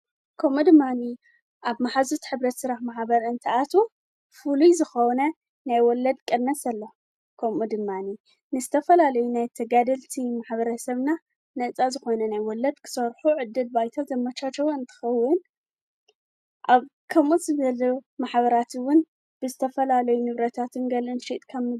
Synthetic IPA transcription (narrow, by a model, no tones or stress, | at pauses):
kʰɐmud̪ɨmːani | ʔaβmaħazut̪ħɨβɾɐt̪sɨɾaħmaħbɐɾɨnt̪ʰɨʔat̪ʰo | fulujzɨxownɐ | najwɔlɐd̪kʼɐnːɐsɐlːo | kʰɐmud̪ɨmːani | nɨzɨt̪ʰɐfɐlalɐjunajt̪ʰɐɡad̪ɐlt̪ʰimaħβɐɾɐsɐβna | nɐt͡sʼazɨxo̞nɐnajwɔlːɐd̪kʰɨ̥sɐɾħuʕɨd̪ːɨlbajt̪ʰat̪zɐmːɐt͡ʃat͡ʃːɐwoɨnt̪ʰɨ̥xɐwːʊn | ʔaβ | kʰɐmʔuzɨβɐlumaħbɐɾat̪wʊn | b̥ɨzɨt̪ʰɐfɐlalɐjunɨβɾɐt̪ʰat̪ʰɨnɡɐlɨnʃit̪ʼkʰɐmɨ